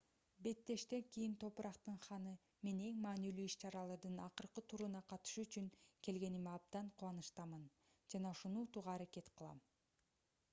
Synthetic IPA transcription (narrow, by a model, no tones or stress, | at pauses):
be̞t̪ːe̞ʃt̪e̞ŋkijint̪ʰo̞pɾɑqt̪ɯɴχɑnɯ | me̞ne̞ŋmɑːnilyiʃt͡ʃɑɾɑlˠɑɾd̪ɯnɑqɯɾqɯt̪ʰuɾunɑqʰɑt̪ɯ̥ʃuyt͡ʃyŋke̞lɡe̞nimɑb̚d̪ɑɴqʰulˠɑnɯʃt̪ɑmɯn | d͡ʒɑnɑuʃunuːt̪uʁɑːɾake̞t̪qʰɯlˠɑ̰m